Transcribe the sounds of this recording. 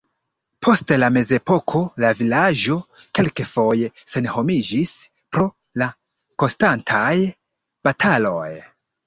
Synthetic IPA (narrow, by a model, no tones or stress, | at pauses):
pʰo̞stlame̞ze̞po̞kʰo̞lavilad͡ʒo̞ke̞lke̞fo̞je̞se̞nho̞mid͡ʒis | pɾo̞ | la | ko̞nstantʰaj | b̥atʰalo̞̰j